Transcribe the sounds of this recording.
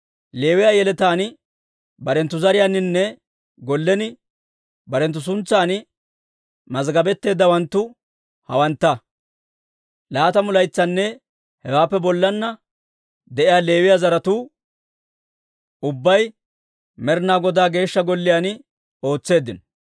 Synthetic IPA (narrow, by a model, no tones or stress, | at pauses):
le̞ːwɪjaːjɛlɛt̪aːn | bɐɾɛnt̪ːʊzɐɾɪjanːɪnːɛ | ɡɔlːɛnɪ | bɐɾɛnt̪ːʊs̬ʊnt͡sːaːn | mɐzɡɐbɛt̪ːe̞ːd̪ːɐwɐnt̪ːʊ | hɐwɐnt̪ːɐ | laːt̪ɐmʊlɐjt͡sːɐnːɛ | hɛwaːpːɛbɔlːɐnːɐ | d̪ɛʔɪjaːle̞ːwɪjaːzɐɾɐt̪uː | ʊbːɐj | mɛɾnaːɡɔd̪aːɡe̞ːʃːɐɡɔlːɪjaːnɪ | o̞ːt͡sːe̞ːd̪ːɪn